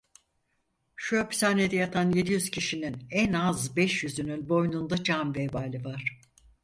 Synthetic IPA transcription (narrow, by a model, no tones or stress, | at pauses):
ʃuapsaːned̪ɛjat̪ʰanje̞d̪ijyz̥cʰiʃininɛnazbɛʃjyzynynbo̞jnund̪ad͡ʒamvevaːlʲivaɾ̥